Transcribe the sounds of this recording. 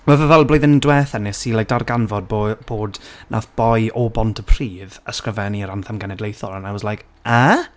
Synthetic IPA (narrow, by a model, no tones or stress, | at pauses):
wɛvəvɛlˠblojðɪndwɛːθɛnɛsilˠajk̚d̥arɡanvɔd̚bob̥oːdnʔaθb̥ɔjʔɔbɔntʰəpʰr̥iːðəskrəvɛniəɾanθamɡɛnɛdlejθɔlˠanajwɔszlajk | a